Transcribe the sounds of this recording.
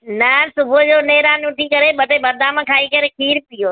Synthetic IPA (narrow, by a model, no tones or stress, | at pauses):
nasʊbʱod͡ʑoːneːɾaːnʊʈʰikɐɾeɓɐt̪ebɐd̪ʱãmãkʰaːikɐɾekʰiːɾpɪjoː